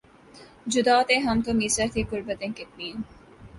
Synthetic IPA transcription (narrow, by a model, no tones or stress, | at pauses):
d͡ʑʊd̪aːt̪eɦɐmt̪omiːsəɾt̪ʰikʊɾbət̪ẽŋkɪt̪̚miːn